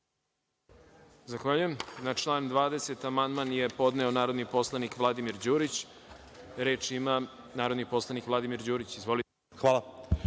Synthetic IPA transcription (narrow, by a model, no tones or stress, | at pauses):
zaxʋaːʎujemnat͡ʃlˠaːnd̪ʋaːd̪ese̞t̪amand̪manjepo̞d̪neonaːɾo̞d̪nipo̞slˠanikʋlˠad̪imiɾd͡ʑuːɾit͡ɕ | ɾe̞ːt͡ʂima | naːɾo̞d̪nipo̞slˠanikʋlˠad̪imiɾd͡ʑuːɾit͡ɕizʋo̞lie | xʋaːlˠa